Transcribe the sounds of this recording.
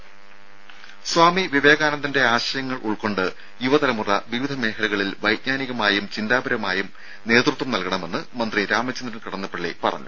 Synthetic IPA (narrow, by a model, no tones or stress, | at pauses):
swaːmiʋiʋeːɣaːnɐnt̪ːinde̞aːɕɐjɐŋːɐɭʔuɭko̞ɳɖɨ | juʋɐt̪ɐlɐmurɐ̰ʋiʋid̪ʱɐme̞ːkʰɐluɣɐɭilʋɐjt̚ɲaːniɣɐmaːjumt͡ɕind̪aːbɐɾɐmaːjum | ne̞ːt̪rut̪ːʋɐmnɐlkɐɳɐme̞nːɨmɐnd̪riɾaːmɐt͡ɕːɐnd̪ɾɐnkɐɽɐnːɐpːɐɭːḛpɐ̰rɐ̰ɲːṵ